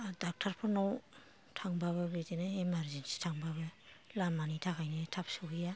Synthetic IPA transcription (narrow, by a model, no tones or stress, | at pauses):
dak̚tʰaɾpʰɯnaw | tʰaŋbaβɯbetenaemaɾzensi̥tʰaŋbaβɯlamanitʰakʰajnatʰap̚sɯija